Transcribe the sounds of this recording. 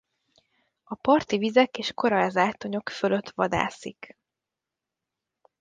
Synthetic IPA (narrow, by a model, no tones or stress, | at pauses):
ɒpɒrt̪ivizɛkeːʃko̞ɾɒɛzaːt̪ːo̞ɲo̞kføløt̪ʋɒ̰d̪a̰ːsik